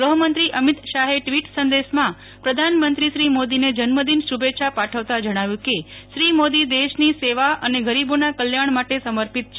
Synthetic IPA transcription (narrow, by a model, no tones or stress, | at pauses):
ɡɾəɦəmənt̪ɾiʔəmit̪ʃaɦeʈʋiʈsənd̪eʃmã | pɾəd̪ʱanmənt̪ɾiʃɾimod̪ined͡ʒənməd̪inʃubetːʃʰapaʈʰəʋt̪ad͡ʒəɽ̃aʋjũkeʃɾimod̪id̪eʃniseʋaʔəneɡʱəɾibonakəljaɳ̃maʈesəməɾpit̪̚t͡ʃʰ